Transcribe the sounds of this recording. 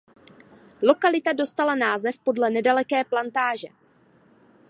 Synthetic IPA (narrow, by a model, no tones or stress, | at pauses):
lo̞kalɪt̪ado̞st̪alanaːzɛfpo̞dlɛnɛdalɛkɛːplant̪aːʒɛ